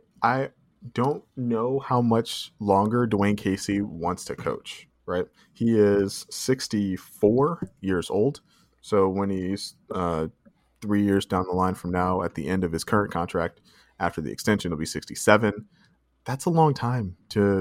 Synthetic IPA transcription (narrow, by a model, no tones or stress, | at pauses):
ʔaɪ | d̥õʊ̃nːoʊhaʊmʌt͡ʃlɔ̃ŋɡə˞duɪ̃ŋkʰeɪsiwɑ̃ntstʰɨkʰoʊt͡ʃ | ɹaɪt̚ | hiɪz̥sɪkstifɔɹjɪɹz̥oʊlˠd̥ | soʊwə̃niz̥ʌ | θɹijɪɹzdãʊ̃nðəlãɪ̃nfɹʌ̃mnaʊɨt̪̚ðḭʔɛ̃ndʌv̥ɨz̥kʰɜ˞ɨ̃nkʰɑ̃ntʰɹ̥æk̚t | æftə˞ðḭɨ̰kstɛ̃nʃɨ̃nl̩ˠbisɪkstisɛvɨ̃n | ðætsəlɔ̃ŋtʰãɪ̃mtʰɨ